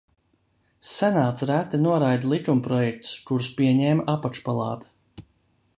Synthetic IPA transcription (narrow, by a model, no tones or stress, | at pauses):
sɛnaːt̪sɾæt̪ɛnuɔɾajd̪lˠikumpɾɔjɛk̚t̪u̥skuɾspiɛɲɛːmaʔapaʃpalˠɑ̰ːt̪ḁ